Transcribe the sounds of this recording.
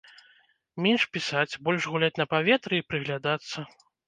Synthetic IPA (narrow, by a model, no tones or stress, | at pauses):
mʲenʲʂpʲisat͡sʲbɔlʲʐɣulʲat͡sʲnɐpavʲɛt̪ɾɨipɾɨɣlʲad̪at̪sːɐ